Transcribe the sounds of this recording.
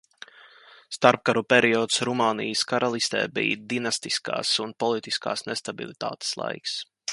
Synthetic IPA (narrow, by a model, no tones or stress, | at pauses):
st̪aɾp̚kaɾupɛɾiɔt̪sɾumaːnijəskaɾalˠist̪ɛ̰ːbḭːd̪inast̪iska̰ːsunpɔlˠit̪iska̰ːsnest̪abḭlˠit̪a̰ːt̪e̥slˠa̰jks